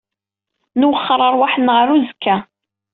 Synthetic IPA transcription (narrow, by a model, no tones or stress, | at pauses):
nʊwəχːəɾˤəɾˤwaħənːʁəɾuzəkːæ